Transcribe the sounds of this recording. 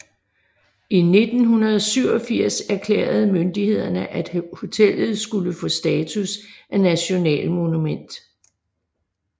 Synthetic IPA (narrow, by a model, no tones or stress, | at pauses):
ine̝d̥n̩ɦunɐð̞ˠɒsyʊ̰ɒ̽fiɐ̰sæɐkʰlḛːɐð̞̩ˠmønd̥ihe̝ð̞̰ˠɐnəʔæd̥ho̝t͡sʰel̰ð̞̩ˠsɡ̥uləfɔ̽sd̥ɛːt͡sʰusʔænæɕo̝nɛ̰ːlmo̝numen̰d̥